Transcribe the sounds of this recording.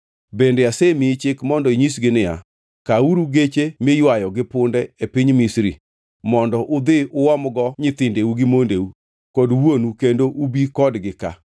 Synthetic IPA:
bendeasemit͡ʃɪkmɔndɔiɲisɡɪnɪja̰ | kauɾuɡet͡ʃemɪjwajɔɡɪpʊndɛepiɲmisɾḭ | mɔndɔʔʊd̪ɪʔʊwɔmɡɔɲɪt̪ɪndeuɡɪmondeu | kɔdwonukendoʔubikɔdɡɪka̰

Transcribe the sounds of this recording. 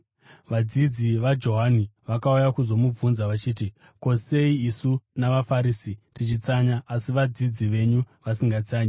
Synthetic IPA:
ʋad͡zid͡ziʋad͡ʒo̞ɦaniʋakaujakuzo̞mub͡vunzaʋat͡ʃiːti | ko̞se̞iːsunaʋafaɾiːsitit͡ʃit͡saɲaːsiʋad͡zid͡ziʋe̞ɲu | ʋasiŋɡat͡saːɲi

